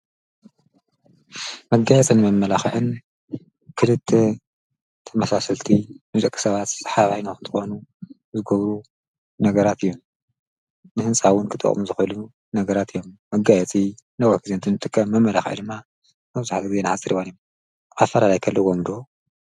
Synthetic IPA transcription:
mɐɡːajɛt͡sʼɨnɨmɐmːɐlaxʕɨn | kʰɨlɨt̪ʰːe | t̪ʰɐmasasɐlt̪ʰimɨzʼɐkʼːɨ̥sɐβat̪sħaβajnoxɨnt̪ʰɨxonu | zɨɡɐβɾu | nɐɡɐɾat̪ɨjːo̞m | nɨhɨnsʼawʊnkʰɨt̪ʼɨ̰χʼmuzɨxɨlu | nɐɡɐɾat̪ɨjːomːɐɡajɛt͡sʼinɐwɐkɨzent̪ʰɨnɨt̪ʼɨkʼːɐmːɐmːɐlaxʕ̰d̪ɨmːa | mɐβzaħt̪iɡɨze̞nɨħat͡sʼːɨɾiwanjom | ʔafːɐlalajkʰɐlːɨwomd̪o̞

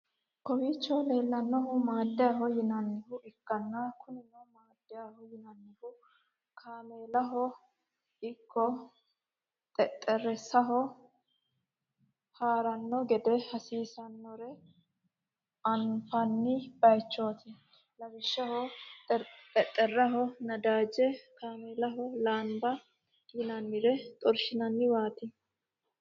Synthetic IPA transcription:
kɔwiːt͡ʃːɔle̞ːlːɐnːɔɦʊmaːd̪ːɪjaɦɔjɪnɐnːɪhʊʔɪkːɐnːɐkʰʊnɪnɐmaːd̪̥ːɪjahɔjɪnɐnːɪhʊ | kʰaːmeːlɐɦɔ | ɪkʰːɔ | t̪ʼɛt̪ʼːɛrɛsɐɦɔ | haːɾɐnːɔɡɛd̪ɛhɐsiːsɐnːɔɾɛ | ʔɐnfɐnːɪb̥ɐjt͡ʃːoːt̪ɪ | lɐbɪʃːɐhɔ | t̪ʼɛt̪ʼːɛrːɐɦɔnɐd̪aːd͡ʒɛkaːmɛːlɐɦɔlaːmbɐ | kɪnɐnːɪɾɛt̪ʼɔɾʃɪnɐnːɪwaːt̪ɪ

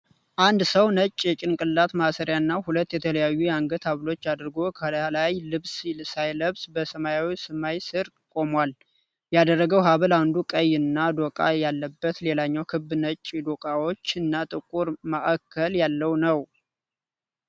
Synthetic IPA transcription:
ʔand̪səwnət͡ʃʼːjɛt͡ʃʼɪnkʼɨlːat̪masəɾjaɨnːahulət̪ːjɛt̪ʰələjajːujɛaŋɡət̪ʰhaβlo̞t͡ʃːad̪ɾɡo̞kʰəlajlɨβsilsajləβsbəsəmajawisɨmajsɨɾ | kʼo̞mwal | jad̪ərːəɡəwɦaβəland̪ukʼəjɨnːad̪okʼa̰jalːəbːət̪le̞laɲːawkʰɨbnət͡ʃʼːid̪okʼawo̞t͡ʃːɨnːat̪ʼɨkʼːuɾmaʔakʰːəljalːəwnəw

